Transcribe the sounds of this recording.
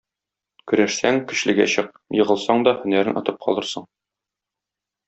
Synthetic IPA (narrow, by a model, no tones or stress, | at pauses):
kɵ̆ɾæʃsæŋkɵ̆ɕlɘ̆ɡæ̰ɕɤq̚ | jɤ̆ʁɤ̆lˠsɑɴd̪ɒhɵ̆næɾɘnʔɒ̰t̪ɤp̚qʰɒ̰lˠɤ̆ɾsɤɴ